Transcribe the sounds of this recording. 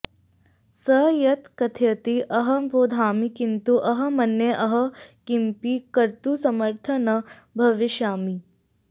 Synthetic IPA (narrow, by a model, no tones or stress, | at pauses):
sɐjɐt̪kɐt̪ʰjɐt̪iʔɐɦɐboːd̪ʱaːmikint̪uʔɐɦɐ̆mɐnjeʔɐɦɐkimpikɐɾt̪usɐməɾt̪ʰɐnɐ | bʱɐʋiʃaːmi